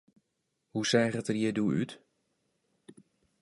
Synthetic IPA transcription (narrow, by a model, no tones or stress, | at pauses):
husɛːχətərjiduy̰t